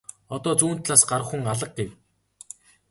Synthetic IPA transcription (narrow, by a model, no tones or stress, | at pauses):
ɔt̪ɔːt͡suːn̥t̪ɮaːsɢaɾə̆χxuŋaɮə̆q̚ɡew